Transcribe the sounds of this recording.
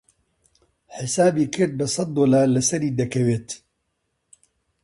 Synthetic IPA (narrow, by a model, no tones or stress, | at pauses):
ħɪsaːbiːkʰɨɾd̪̚bɨsˤɑt̪̚ːoːlaːɾlɨsɛɾiːd̪ɛkʰɛweːt̪